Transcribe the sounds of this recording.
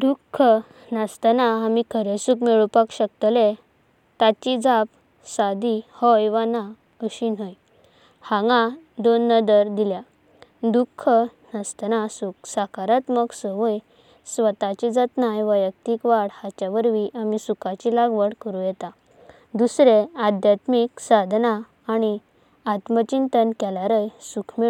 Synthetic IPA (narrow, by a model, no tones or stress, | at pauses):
d̪ukʰːə | nast̪ənaamikʰəɾesukmeɭupakɕəkt̪əle | t̪at͡ɕid͡zap̚ | sad̪ihɔjʋana | əɕinɦɔj | hãŋɡãd̪onːəd̪əɾd̪ilja | d̪ukʰːə | nəst̪nasuksakaɾat̪məɡsəʋəj | sʋət̪at͡ɕid͡zat̪najʋəjək̚t̪ikʋaɽhat͡ɕjaʋəɾʋiʔamisukat͡ɕilaɡʋəɽkəɾũjɛt̪a | d̪usɾead̪ʱjat̪miksad̪ʱnaː | ɽ̃i | at̪mət͡ɕint̪ənkɛlaɾəjsukʰme